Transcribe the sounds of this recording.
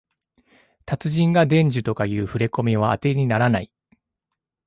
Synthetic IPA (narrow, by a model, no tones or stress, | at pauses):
t̪at͡sɨʑĩŋɡad̪ẽ̞ɲ̟d͡ʑɨt̪o̞kajɯ̟ːɸɯ̟ɾe̞ko̞mʲiβ̞aːt̪e̞ɲ̟inaɾanai